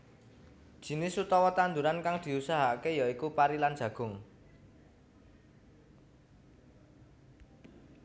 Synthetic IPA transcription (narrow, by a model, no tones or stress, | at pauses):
d̥ʒ̥i̤nɪsut̪ɔwɔt̪and̪uɾankaŋd̪̥i̤usaɦakejaikupaɾilan̥ʒ̥ä̤ɡ̥ʊ̤ŋ